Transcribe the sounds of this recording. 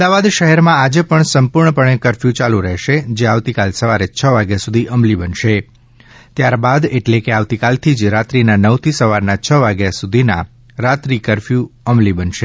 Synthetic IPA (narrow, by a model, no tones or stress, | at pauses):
əmd̪aʋad̪ʃəɦɛɾmãad͡ʒepəɳsəmpuɾɳəpəɳ̃ekəɾfjũt͡ʃalũɾəɦʃed͡ʒeaʋt̪ikalsəʋaɾet͡ʃʰəʋaɡjasud̪ʱiʔəmlibənʃe | t̪jaɾbad̪eʈlekeaʋt̪ikalt̪ʰid͡ʒɾat̪ɾinanəʋt̪ʰisəʋaɾnat͡ʃʰəʋaɡjasud̪ʱina̰ | ɾat̪ɾikəɾfjũəmlibənʃe